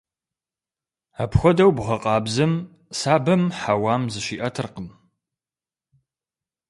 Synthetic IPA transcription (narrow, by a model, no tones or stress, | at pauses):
aːpxʷɔdɐwbʁɐqʼɑːbzɨm | saːbɐmħawaːmzɨʃiːʔɐtʰɨrqəm